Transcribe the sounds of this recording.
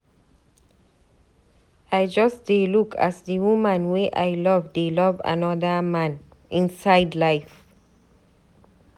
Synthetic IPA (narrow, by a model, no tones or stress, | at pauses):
ajd͡ʒʌstd̥elukʰa̰sdiwumə̃nweʔa̰jlɔvdelɔva̰nɔdəmãn | ĩnsaɪdlaɪf